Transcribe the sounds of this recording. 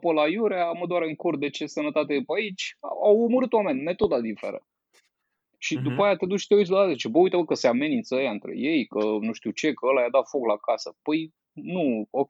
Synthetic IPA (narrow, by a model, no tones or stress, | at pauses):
pəlajuɾaməd̪oaɾeɨŋkurd̪e̞t͡ʃe̞sənət̪at̪eupəait͡ʃʲa̰awurməɾɨt̪wame̞nʲme̞t̪o̞d̪ad̪ifḛɾə̰ | ʃid̪upaeat̪e̞d̪ut͡ʃt̪euis̬laat̪ezit͡ʃebəujt̪əvəkəseame̞nint̪səəjaɨnt̪ɾe̞̰je̞jkənuʃt̪iut͡ʃe̞kəəlajad̪at̪fo̞klakasəpəj | nuo